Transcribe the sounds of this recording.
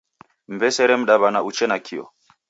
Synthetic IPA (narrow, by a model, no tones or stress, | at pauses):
m̩bɛsɛɾɛm̩ɗaβanaut͡ʃɛnakʰiɔ̰